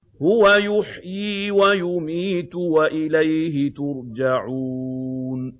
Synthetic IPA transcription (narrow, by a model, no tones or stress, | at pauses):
hʊwajʊħjiːwajʊmiːt̪waʔɪlajɦɪt̪ʊɾd͡ʒaʕuːn